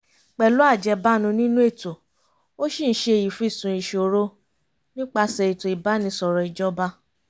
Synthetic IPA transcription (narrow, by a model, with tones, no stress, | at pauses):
k͡pɛ˨lo˨˦a˦˨d͡ʒɛ˧ba˦nũ˧nĩ˦nũ˦e˦˨to˨ | o˦ʃĩ˦˨n̩˦ʃe˧˨ji˨fũ˦i˦˨sũ˨˧˨i˧˨ʃo˨ɾo˦ | nĩ˦k͡pa˧sɛ˧i˨to˨i˨ba˨˦nĩ˧sɔ˨ɾɔ˨i˨d͡ʒɔ˦ba˦